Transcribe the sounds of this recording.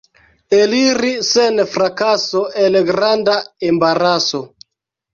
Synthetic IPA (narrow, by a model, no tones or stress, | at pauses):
eliɾisenfɾakasoʔelɡɾandaembaɾaso̞